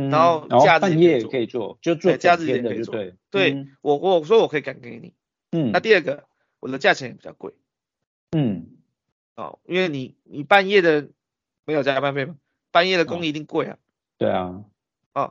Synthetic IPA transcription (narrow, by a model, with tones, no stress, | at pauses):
a˧˦xo˥˧ʊ˧t͡ɕja˥˧a˥˧˨njɛ˥˨jɛ˨wɔ˥kʰə˧˦i˨t͡swɔ̰˥˨t͡ɕjo˥˧t͡swt͡ɕja˥˧t͡s̩˥˨ə˦˧˨t͡swe˥˧t̪we˥˩ɪwɔ˨˩ɔ˧s̬wɔ˧˥wɔ˨˩kʰɤ˧i˨˧ka˨˩nkə˧˦kḛ˧˦nḭ˨˩ | n̩˥˩na˥˧t̪i˥˧ə˥˩ɡə˩ | wʔɔ˨˩d̪ə˦t͡ɕja˥˩t͡ɕʰɛ˧˦ŋjɛ˨˩pi˨t͡ɕɑ̰˥˧ʊkwe˥˩ɪ | n̩˥˩ | ɔ̰˥˩ḭ˦˥nwe˥˩ɪni˨˩ni˨˩pa˥˧njɛ˥˩d̪ə˨ | me˧˥jo˨˩t͡ɕja˥pa˥˧nfe˥˩ɪma˨˩ | pa˥˧njɛ˥˩ɾə˩ko˥˦ŋi˧t̪i˥˧ŋkwe˥˩ɪlɐ̰˨˩ | t̪we˥˩ɪa̰˩ | ɔ̰˨˩